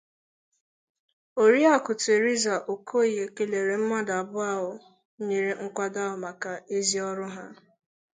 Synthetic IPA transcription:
o˨ɾi˦a˦kʊ˨te˨ɾi˦za˨ʔo˨kʰo˦i˨ɦe˨ke˨le˨ɾe˨m̩˦ma˦da˨a˨bʊ˦a˦ɦʊ˨˦ | ɲe˨ɾe˦ŋ̩˦kʷa˦da˦ɦʊ˨ma˨ka˨e˦zi˦ɔ˦ɾʊ˦ɦa˦

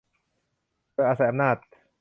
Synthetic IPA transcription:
oː˧˨ʔaː˧˩sa˨˦jʔmnaː˥˩t̪̚

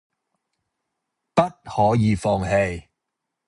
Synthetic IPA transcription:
pɐ˥t̚hɔː˨˥jiː˨˧fɔː˧ŋhe˧j

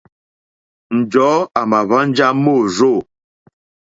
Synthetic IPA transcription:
n̩˨d͡ʒɔ˨˦a˨ma˨βa˦n̩˦d͡ʒa˦mo˦˨zo˦˨

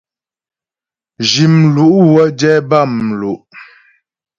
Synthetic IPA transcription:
d͡ʒi˨mlu˦ʔwə˦d͡ʒɛ˦ba˦˨m̩lu˨ʔ

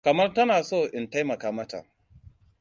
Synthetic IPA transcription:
kɐ˨mɐ˦rtɐ˦naː˨soː˦˨ʔɪ˨nta˦jmɐ˨kaː˦mɐ˦ta̰˨

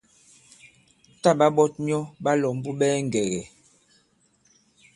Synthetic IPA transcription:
ta˦ɓa˦ɓɔ˦t̚mi˦ɔ˦ɓa˦lɔ˨m˦bu˦ɓɛː˦ŋ˨ɡɛ˨ɣɛ˨

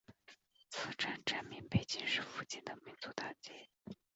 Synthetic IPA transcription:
t͡sʰɹ̩˥˩ʈ͡ʂa˥˩nʈ͡ʂa˥˩nmi˧˥ŋpe˧˥˩ɪt͡ɕi˥nʂɻ̩˥˩fu˥˧t͡ɕi˥˩nd̪ə˩mi˧˥nt͡su˧˥t̪a˥˩ŋt͡ɕi˥˩

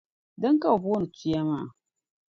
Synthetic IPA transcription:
dɔ˦ŋka˦wbnu˨tu˦ja˦ma˦˨

